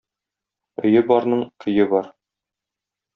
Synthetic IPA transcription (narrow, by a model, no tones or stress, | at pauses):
ɵ̆jɘbɒɾnɤɴkʰɵ̆jɘbɒɾ